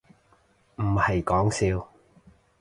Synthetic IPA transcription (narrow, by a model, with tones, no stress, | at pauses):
m̩˨˩hɐ˨jkɔː˨˥ŋsiː˧w